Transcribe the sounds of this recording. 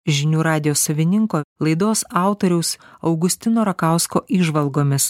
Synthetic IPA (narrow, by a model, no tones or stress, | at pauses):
ʒʲɪnʲuːɾɑːd̪ʲɪjoːsɐʋʲɪnʲɪŋkoːlˠɐɪd̪oːsɑˑʊt̪oɾʲɛʊsɐʊɡʊsʲt̪ʲɪnoːɾɐkɑˑʊskoːʔiːʒʋɐlˠɡoːmʲɪs